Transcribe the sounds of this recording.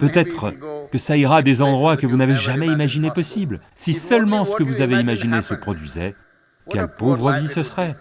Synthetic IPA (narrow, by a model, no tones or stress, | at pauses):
pøt̪ɛt̪χəkəsaiʁad̪ezɑ̃d̪ʁwakəvunaveʒamɛimaʒinepɔsiblsisœlmɑ̃sə̥kəvuzaveimaʒinesəpχɔd̪ɥizɛ̰ | kʲɛlpovʁəvisəsʁɛ